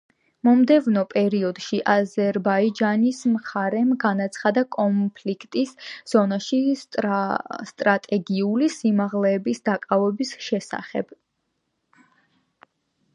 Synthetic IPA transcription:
mɔmd̪ɛvnɔpʼɛɾiɔd̪ʃiʔazɛɾbaid͡ʒanismχaɾɛmɡanat̪sʰχad̪akʼɔmpʰlikʰt̪ʼisz̥ɔnaʃi | st̪ʼɾat̪ʼɛɡiulisimaʁlɛːbisd̪akʼavɛbisʃɛsa̰χɛ̰b̥

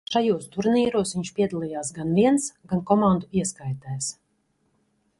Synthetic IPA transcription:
ʃajuːst̪uɾniːɾuɔsviɲt͡ʃpʲiɛd̪alˠijaːsɡanviɛnsɡankɔmand̪uiɛskajt̪ɛːs

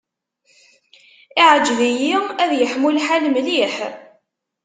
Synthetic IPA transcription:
iʕəd͡ʒːvijiæðjəħmulħalmliħ

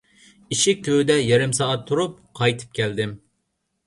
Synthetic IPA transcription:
iʃik̚ʲt̪ʲʰød̪ɛjɛɾɪmsɑɑt̪ʰːuɾup̚qʰɑjt̪ʰɨ̥p̚kʲʰɛld̪ɪm

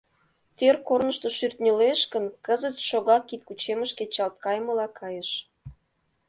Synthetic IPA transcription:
t̪ørkornəʃt̪oʃyrt̪nʲeleʃkənkəzət͡sʃoɣɑkːit̪̚kut͡ɕeməʃket͡ɕɑlt̪̚kɑjməlɑkʰɑjəʃ

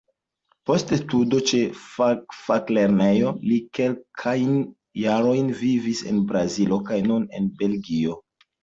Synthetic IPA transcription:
po̞stestudo̞t͡ʃe̞ | fakle̞ɾne̞jo̞like̞lkʰajn | jaɾo̞jnvivise̞̰nbɾazilo̞kajnune̞̰nbe̞lɡio̞

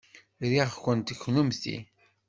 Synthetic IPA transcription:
ɾiʁkʷənt̪əçːnumθḭ

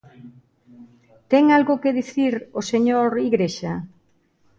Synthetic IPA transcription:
t̪ɛŋalɣʊkeðiθiɾoseɲoɾiɣɾeʃa

